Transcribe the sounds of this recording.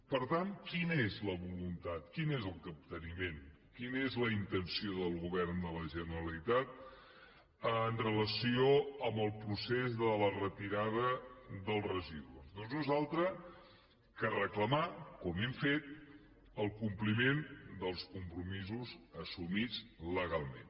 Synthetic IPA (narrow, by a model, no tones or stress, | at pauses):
pəɾt̪ankinəezləβulunt̪at̪kinezəlˠkəp̚t̪ənimen | kinezləint̪ənsioðəlˠɣuβɛrnd̪ələʒənəɾəlit̪at̪̚ | ənrələsioəmbəlˠpɾusezðələrət̪iɾaðəðəlˠrəʒiðuuzðonznuzalˠt̪ɾə | kərəkləmakɔmɛmfet̪̚ | əlˠkumplimend̪əlˠskumpɾumizuzəsumid͡zləɣalˠmḛn